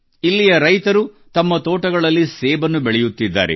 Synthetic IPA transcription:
ilːijɐɾɐjt̪ɐɾu | t̪ɐmːɐt̪oːʈɐɡɐɭɐlːisɛːbɐnːubeɭɛjut̪ːid̪ːa̰ːɾḛ

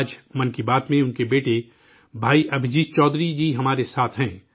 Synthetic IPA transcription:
d͡ʒmɐnkibaːt̪mẽʊnkebeːʈe | bʱaːiʔɐbʱɪd͡ʒiːt͡ʃɔːd̪ɾid͡ʒiːɦɐmaːɾesaːt̪ʰɦɛ̃ː

